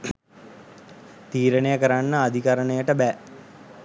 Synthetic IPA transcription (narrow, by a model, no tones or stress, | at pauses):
t̪iːɾənejəkəɾanːəad̪ʱikaɾəɳəjəʈəbɛ